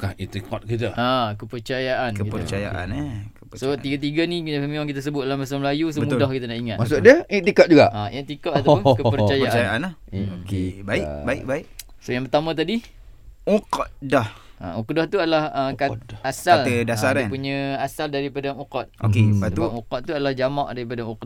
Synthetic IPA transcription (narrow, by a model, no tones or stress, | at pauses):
kahit̪ikɔt̪̚kit̪̬aakəpərt͡ʃajaʔankəktpərt͡ʃaja̰ʔa̰nekəsot̪iɡat̪̬iɡanisəmiaŋkit̪as̬əbʊt̪̚dalahmas̬alməlajus̬omudahkit̪anaʔiŋat̪mas̬udiəit̪ikɔt̚d͡ʒuɡaʔaʔit̪ikɔʔ̪at̪apʊnkəpəɾajəaʔt͡ʃajaʔanahokebaibaḭk̚baik | sojaŋpərt̪amãt̪adi | uqdahʔa̰ukdaht̪uadalahəkaasalədasaɾanpuɲə̃asaldaɾipadaʔuqɔt̪̚o̰keatəubaʔ̚uqɔt̪̚t̪ːuadalahd͡ʒamaʔdaɾip̬adaukd